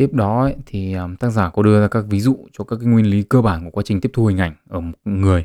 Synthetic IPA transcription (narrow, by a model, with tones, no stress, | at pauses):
t̪i˦˥əp̚ɗɔ˨˦ə˧˨t̪ʰi˨˩əː˨˩mt̪aː˦˥t̚zaː˧˩kɔ˨˦ɗɨ˧əzaː˧kaː˦˥k̚vi˨˦zṵ˧˨t͡ɕɔ˧kaː˦˥kaː˨˦jŋwi˧ənli˨˦kəː˧ɓaː˧˩nku˧˩əkwa˨˦t͡ɕï˨˩ŋ̟t̪i˦˥əp̚t̪ʰhï˧˩ŋ̟ʔa˧˩jŋ̟ʔəː˧˩mo˨˩ŋɨ˨˩əj